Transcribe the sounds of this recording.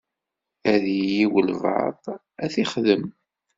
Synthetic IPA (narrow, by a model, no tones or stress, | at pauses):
æðjjiwəlvɑ̰ðˤ | æθiχðəm